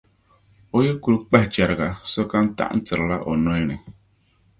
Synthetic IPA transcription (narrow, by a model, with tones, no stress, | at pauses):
o˨˦jɪ˦ɾku˨ɾk͡pɛ˦ht͡ʃɛ˨ɾɪ˨ɡa˨sɔ˦ka˦n˦ta̰˦ʔn̩˦tɨ˨ɾla˦ʔo˨nɔ˦ɛ˦nɨ˨